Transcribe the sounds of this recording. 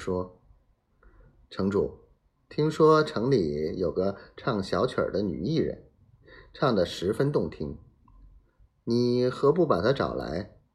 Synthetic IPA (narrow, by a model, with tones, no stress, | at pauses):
ʂwɔ˥ | ʈ͡ʂʰɤ˧˥ŋʈ͡ʂṵ˨˩ | t̪ʰi˥ŋʂwɔ˥ʈ͡ʂʰɤ˧˥ŋli˨˥jo˨˩ʊɡə˦ʈ͡ʂʰɑ˥˩ŋɕjɑ˧˥ʊt͡ɕʰjə̰˞˨˩d̪ə˦ny̰˨˩i˥˩ɻə̰˧˥n | ʈ͡ʂʰɑ˥˩ŋd̪ə˩ʂɻ̩˧˥fə˥nt̪ʊ˥˩ŋt̪ʰi˥ŋ | ni˨˩xɤ˧˥pu˥˩pa˨˩t̪ʰa˥ʈ͡ʂɑ̰˨˩ʊla̰˧˥ɪ